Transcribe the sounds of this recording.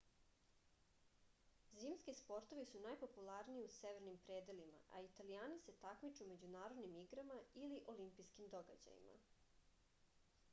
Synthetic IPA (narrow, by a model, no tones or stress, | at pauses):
ziːmskispo̞ɾt̪o̞ʋisunajpo̞pulˠaɾniiuseʋeɾnimpɾe̞ːd̪elima̰ʔait̪alijaːnise̞t̪akmit͡ʃume̞d͡ʑunaːɾo̞d̪nimiɡɾamailiʔo̞limpijskimd̪o̞ɡa̰d͡ʑa̰jḭma̰